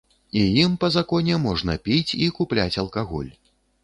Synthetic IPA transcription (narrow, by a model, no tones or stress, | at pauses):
ijimpɐzakɔnʲɛmɔʐnɐpʲit͡sʲikuplʲat͡sʲɐlˠkaɣɔ̰lʲ